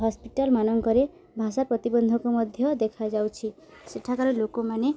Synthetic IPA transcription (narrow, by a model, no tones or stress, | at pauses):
ɦɔspiʈalmanɔŋkɔɾe | bʱas̬apɾʌt̪ibɔnd̪ʱɔkomʌd̪ʱjʌd̪ekʰad͡ʒawt͡ʃʰi | seʈʰakaɾelokomane